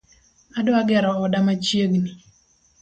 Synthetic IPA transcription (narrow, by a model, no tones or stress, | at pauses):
adoaɡɛɾɔɔdamat͡ʃjeɡni